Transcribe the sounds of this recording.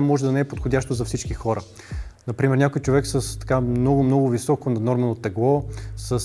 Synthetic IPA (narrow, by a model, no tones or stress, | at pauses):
mɔʒɛd̪ɐnɛɛpot̪xodʲaʃt̪ozɐfsit͡ʃkixɔɾə | nɐpɾimɛɾnʲakojt͡ʃovɛksəst̪ɐ̥kamnɔɡʊmnɔɡʊvisɔkonɐnɔɾmɛnot̪ɛɡlˠɔsəs